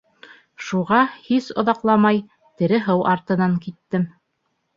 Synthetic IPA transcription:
ʃuʁɑhisŏ̰ðɑqlˠɑmɑj | t̪ɘ̆ɾɘɦɤwʔɑɾt̪ɤ̆nɑŋkit̪ːɘm

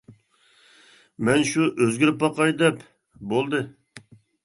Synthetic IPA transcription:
mɛnʃuʔøzɡʲyɾɪpːɑqɑjd̪ɛp | bolˠd̪ɨ

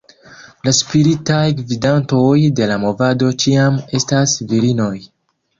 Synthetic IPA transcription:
laspiɾitajɡvidanto̞jde̞lamo̞vado̞t͡ʃiame̞stasviɾino̞j

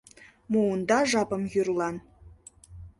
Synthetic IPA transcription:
muund̪ɑʒɑpə̆mjyrlɑn

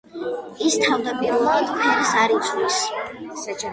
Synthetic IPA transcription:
ist̪ʰavd̪apʼiɾulˠat̪ʰkʰɛɾisaɾit̪sʰʼwis

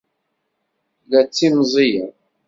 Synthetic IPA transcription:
læt͡sːimzˤijə

